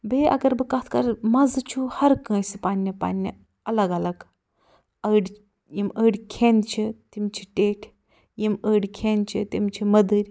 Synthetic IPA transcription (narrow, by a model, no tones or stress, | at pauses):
beːʔɐ̰ɡɐɾbɨkɐt̪ʰkɐɾmɐzɨt͡ʃʰuhɐɾkə̃ːsipaːnʲːipa̰ːnʲːi | ɐlɐɡɐlɐɡ | əːɽʲ | jiməːɽʲkʰeːnt͡ʃʰit̪imt͡ʃʰi̥ʈeːʈʰ | jiməːɽʲkʰeːnt͡ʃʰit̪imt͡ʃʰimɐd̪ɨɾʲ